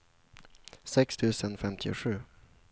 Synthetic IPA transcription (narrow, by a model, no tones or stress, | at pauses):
sɪkst̪ʰʉːsə̃nfɛmt̪ʰɪʂʉː